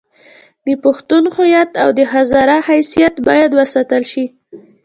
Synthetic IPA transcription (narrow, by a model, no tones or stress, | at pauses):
d̪əpʊxt̪unxʊjat̪awd̪əɦazɑɾahajsijat̪bɑjad̪wəsat̪əlʃi